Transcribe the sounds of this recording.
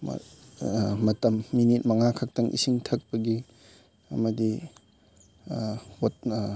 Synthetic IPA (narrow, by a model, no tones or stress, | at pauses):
m̰ | ɐtɐmːinit̚mɐŋakʰɐk̚tɐŋʔḭsiŋtʰɐk̚pɐɡi | ɐ̰mɐdi | wot̚